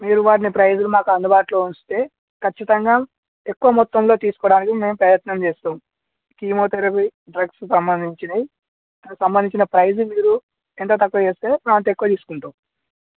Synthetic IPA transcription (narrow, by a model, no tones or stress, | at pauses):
miːɾuʋaːʈinipɾɐjzulumaːkuɐnd̪ubaːʈlo̞ːust̪e̞ː | kɐt͡ʃːit̪ɐŋɡaː | e̞kːuʋɐmɔt̪ːɐmlo̞ːt̪iːsu̥kɔːɽaːnikime̞ːmpɾɐjɐt̪nɐmt͡ʃeːst̪aːm | kiːmoːt̪eɾɐpiɖɾɐɡsksɐmbɐnd̪ʱiɲt͡ʃinɐi | ɐɐsɐmbɐnd̪iɲt͡ʃinɐpɾɐjzmiːɾu | ent̪oːt̪̬ɐkːɐt͡ʃeːst̪eːpɾaːnt̪e̞kːuʋɐt̪iːsu̥kuɳʈaːm